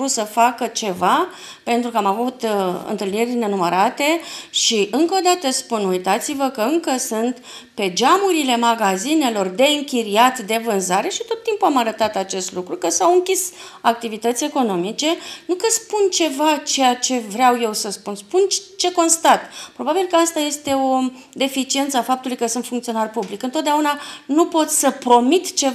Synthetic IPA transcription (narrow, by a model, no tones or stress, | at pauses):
ut̪səfakət͡ʃe̞va | pe̞nt̪ɾukəamavut̪ɨ̰nt̪ɨlnirʲne̞numəɾat̪e̞ʃiɨŋkəod̪at̪əspunujt̪at̪sivəkəɨŋkəsɨnt̪ | pe̞d͡ʒamuɾile̞maɡazine̞lo̞rd̪e̞ɨŋkʲiɾiat̪d̪e̞vɨnzaɾe̞ʃit̪o̞t̪ːimpuamaɾət̪at̪at͡ʃe̞st̪lukɾukəsawɨŋkʲis | ak̚t̪ivit̪ət̪sʲe̞ko̞no̞mit͡ʃe̞nukəspunt͡ʃe̞vat͡ʃe̞jat͡ʃe̞vɾeawje̞wsəspunspunt͡ʃe̞ko̞nst̪at̪pɾo̞babilkəast̪aje̞st̪e̞o̞ | d̪e̞fit͡ʃie̞nt̪səafap̚t̪uluijkəsunt̪fuŋkt̪sio̞narpublikɨnt̪ot̪̚d̪eaunanupo̞t̪sʲsəpɾo̞mit̪t͡ʃe̞